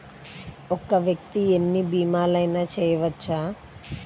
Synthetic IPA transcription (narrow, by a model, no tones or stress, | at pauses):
ɔkɐʋjɐk̚t̪ienːibiːmaːlɐjnaːt͡ʃɛːjɐʋɐt͡ʃːaː